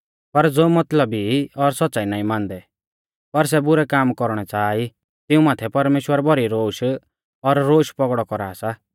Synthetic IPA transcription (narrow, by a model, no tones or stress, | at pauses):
pɐɾd͡zoːmɐt̪ləbiɔɾsɔtːt͡saːinaːĩmãːnd̪ɛ | pɐɾs̬ɛbʊɾɛkaːmkɔɾɽ̃ɛt͡saːi | t̪ɪũmaːt̪ʰɛpɐɾmeːʃwəɾbɔɾiɾoːʃ | ɔɾːoːʃpɔɡɽɔkɔɾa̰ːsaː